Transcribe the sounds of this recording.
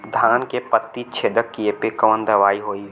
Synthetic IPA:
d̪ʱaːnkepət̪ːit͡ʃʰeːd̪əkːiepekəʋənd̪ɐʋaːiɦoːi

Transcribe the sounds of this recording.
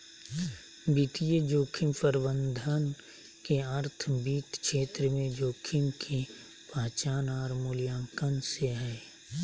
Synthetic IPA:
bit̪ijed͡ʒoːkʰimpəɾbənd̪ʱən | keəɾt̪ʰbiːt̪ʃeːt̪ɾəmẽd͡ʒoːkʰimkʰi | paːt͡ʃaːnaːɾmuːljãːŋkənseɦɛː

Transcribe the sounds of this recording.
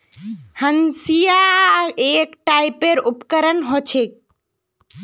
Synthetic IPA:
hənsijaekʈaipeɾupkəɾənɦot͡ʃʰek̚

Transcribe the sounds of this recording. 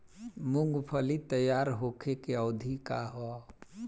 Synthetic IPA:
muŋɡpʰəlit̪əjaːɾɦokʰekeɔːd̪ʱikaɦɔ

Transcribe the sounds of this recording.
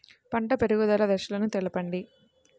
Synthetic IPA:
pɐɳʈɐpeɾuɡud̪ɐlɐd̪ɐʃulɐnut̪ɛɭɐpɐɳɖi

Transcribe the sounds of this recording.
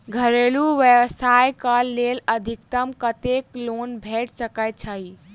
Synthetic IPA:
ɡʱəɾeluʋjeʋsajkəlːeləd̪ʱik̚t̪əmkət̪eklonbʱeʈsəkəjt̪̚t͡ʃʰəj

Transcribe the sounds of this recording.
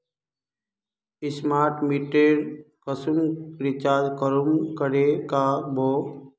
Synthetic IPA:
ɪsmaːɾʈmiʈeɾ | kəsumɾɪt͡ʃaːd̪kəɾumkəɾekabʱoː

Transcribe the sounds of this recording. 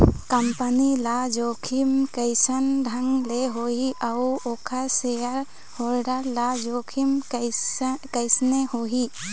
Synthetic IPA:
kɐmpənilad͡ʒokʰimkəjsənɖʱɐŋleɦoɦiʔawokʰasejəɾ | hoɾɖəɾlad͡ʒokʰim | kəjsnehoɦi

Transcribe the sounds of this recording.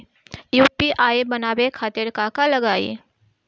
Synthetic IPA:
juːpiʔaːebɐnaːbekʰaːt̪ɪɾkaːkalɐɡaːḭ

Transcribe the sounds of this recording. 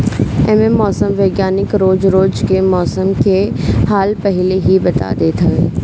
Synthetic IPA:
ememːɔːsəmʋeːɡjaːnɪkɾoːd͡ʒɾoːd͡ʒkemɔːsəmkʰehaːlpɐɦɪleɦibɐt̪a̰d̪et̪ʰɐe

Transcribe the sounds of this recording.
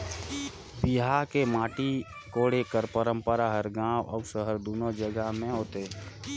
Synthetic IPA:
biɦakemaːʈi | koːɽekəɾpəɾə̃mpəɾaɦəɾɡãːwʔɔ̰ːsəɦəɾd̪uːnod͡ʒəɡəɦmẽɦoːt̪e

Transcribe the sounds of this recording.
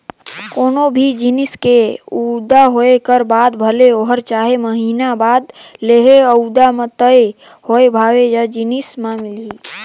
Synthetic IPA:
koːnobʱid͡ʒinɪskeud̪aɦoekəɾbaːd̪bʱəleoɦəɾt͡ʃaːɦeməɦiːnabaːd̪leːɦeəud̪amət̪əe | hoebʱaːwed͡ʒəd͡ʒinɪsmãːŋɡlii

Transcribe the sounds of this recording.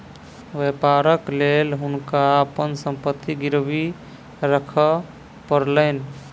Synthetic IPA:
ʋepaɾəklelɦunkaəpənsəmpət̪ːiɡiɾbi | ɾəkʰə | pəɾlən

